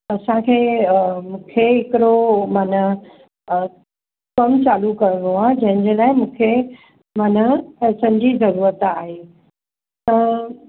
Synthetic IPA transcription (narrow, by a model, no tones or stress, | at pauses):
ɐsãkʰeːmũːkʰeɦɪkɪɾomaːnə | kɐmt͡ɕaːlukɐɾə̃ɽoaːd͡ʑɐ̃ɦɪ̃ɲd͡ʑelaːɪ̃mũːkʰe | maːnəsɐ̃d͡ʑizɐɾuːɾət̪aːɦeː | t̪ɐ̃